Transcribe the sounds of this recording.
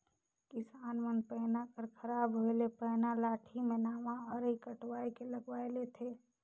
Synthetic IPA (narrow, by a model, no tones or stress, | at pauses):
kɪsaːnmənpəɦnakəɾkʰəɾaːbɦoelepəɦnalaːʈʰimẽnaːʋãəɾikəʈwaːikeləɡʋaelet̪ʰe